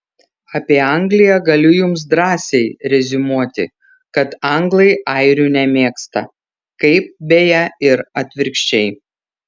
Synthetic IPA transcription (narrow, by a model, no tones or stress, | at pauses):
ɐpʲiɛɐŋʲɡlʲɪjɛɡɐlʲʊjʊms̬d̪ɾɑːsʲɛɪɾʲɛzʲɪmuɔt̪ʲɪ̰ | kɐt̪ɐŋɡlˠɐɪɐɪɾʲunʲɛmʲeːkst̪ɐ̰ | kɐɪp̚bʲejɛɪɾɐt̪ʲʋʲɪɾʲkʃʲt͡ʃʲɛɪ